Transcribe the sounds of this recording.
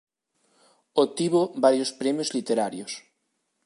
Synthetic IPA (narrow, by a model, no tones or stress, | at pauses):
ot̪iβobaɾjospɾemjozlit̪eɾaɾjos